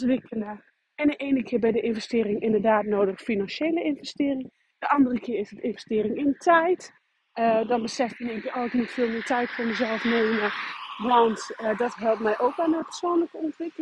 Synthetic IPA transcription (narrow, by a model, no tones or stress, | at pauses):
ɔntʋɪkʰələ | ɛndəʔeːnəkʰɪəbɛjdəʔɪnvɛstɪːɾɪŋʔɪndədaːtnoːdəxfinɑnʃeːləɪnvɛstɪːrɪŋ | d̥əʔɑndərəkʰɪːɪsətɪnvɛstɪːrɪŋɪntʰɛjt | ədɔnbəsɛftəneŋkjəʔɔlˠknitfɪːlˠmɪtɛjtfoməzɛlˠfneːməʋɔntədɔtɦɛlˠp̚mɛjʔoːkʋɛlˠnəpə̥rsoːnləkəɔntʋɪkəl